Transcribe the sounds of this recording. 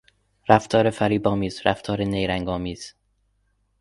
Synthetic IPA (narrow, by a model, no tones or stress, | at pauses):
ɾæft̪ʰɒːɾefæɾiːbɒːmiːzɾæft̪ʰɒːɾenejɾæŋɡɒːmiːz̥